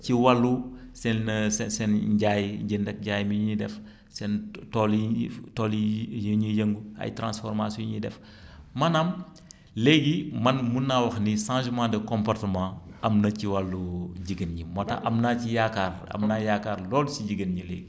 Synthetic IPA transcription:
ciwɐlːu | sɛnsɛsɛnɟaːjɟindɐk̚ɟaːjmiɲidɛf | sɛntɔːlitɔːlijəɲujəŋɡuɐ̰jtɾã̰nsfɔɾmasjɔ̃ɲidɛ̰f | mɐnɐm | leɡimɐnmunːawɐxniʃãːʒmãːdɐkɔmpɔrtəmãːɐmnɐciwɐlːuɟiɡənɲimɔtɐ̰ʔɐmnacijaːkaːrɐ̰mnaːjaːkaːɾlɔːlsiɟiɡənɲileːɡ

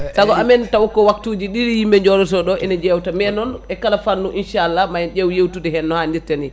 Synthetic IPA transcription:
taɡɔamɛntawɔkːɔwak̚tuːd͡ʒiɗiɾjimːɛɲd͡ʒɔɾɔs̬ɔɗɔʔɛnɛd͡ʒɛwtamɛnɔnɛkalafanːuʔinʃaalːamajd͡ʒɛwjewtudɛhɛnːɔhandiɾtani

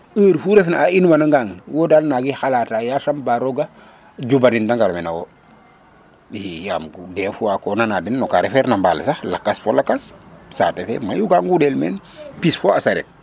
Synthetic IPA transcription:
əːɾfuɾefnaainwanaŋɡaŋwodalnaɡixalatajasambaɾoɡa | d͡ʒubanindaŋɡalomenawo | hijamɡudefuakonanadinːɔkaɾefeɾnambalsalakːasfolakːassa̰tefḛmajuɡaŋɡudɛlmḛn | pisfoasaɾḛt̚

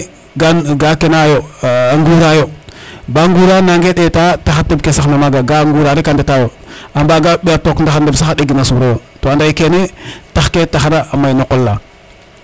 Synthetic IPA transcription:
ɡaɡakenajoaŋɡuɾajobaŋɡuɾanaŋɡeɗetataxatibkesanomaɡaɡaŋɡuɾaɾikandetajo | ambaɡaɓeatokndaxandebsaaɗeɡinasuɾajotoandaikenetaxketaxaɾaamainokolːa

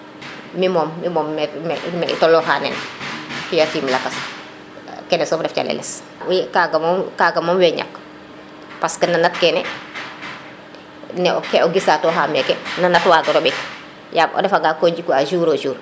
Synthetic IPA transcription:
mimɔːmːimɔːmːɛmɛmɛḭtɔlːɔxaːnɛ̰nfijatiːmlakas | kɛnɛsɔfdɛft͡ʃa̰lɛ̰lɛ̰s | jkaɡamɔmkaɡamɔːmwɛɲa̰kː | paskənanat̚kɛnɛ | nɛɔkɛɔɡisatɔxamɛkɛnanatwaːtɔɾobik | jamʔɔ̰dɛfaɡakoɲɟikuaʒuːɾoʒuːɾ

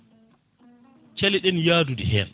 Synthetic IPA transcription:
t͡ʃɛliɗɛnjaːdudihɛn

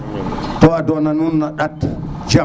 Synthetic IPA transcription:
tɔadɔnanunːaɗatt͡ʃa

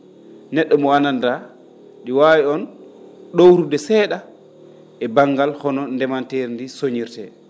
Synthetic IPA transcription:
nɛɗːɔmɔananda | ɗiwawiɔnɗowɾudɛsɛɗa | ʔɛbaŋɡalhɔnɔndɛmanteɾndisoɲiɾtɛ

